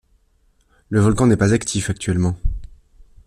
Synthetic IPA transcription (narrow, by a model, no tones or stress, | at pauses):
ləvɔlkɑ̃nɛpazakt̪ʰifak̚t̪ɥɛlmɑ̃